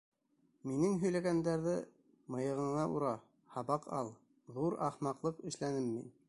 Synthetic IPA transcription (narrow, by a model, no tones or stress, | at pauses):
minɘŋɦɵ̆jlæɡænd̪æɾðɘ | mɤ̆jɤ̆ʁɤ̆ɴɑʔuɾɑ | hɑβɑqɑ̰lˠ | ðuɾɑ̰χmɑqlˠɤqɘ̆ʃlænɘmːin